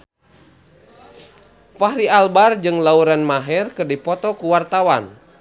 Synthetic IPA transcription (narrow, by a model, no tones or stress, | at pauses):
faɦɾialbard͡ʒɨŋlauɾanmaɦɛrkɨrdipɔt̪ɔkuwart̪awan